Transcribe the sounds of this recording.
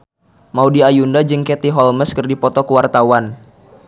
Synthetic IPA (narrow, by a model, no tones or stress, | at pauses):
maudiajundad͡ʒɨŋkɛt̪iɦɔlməskɨrdipɔt̪ɔkəwart̪awan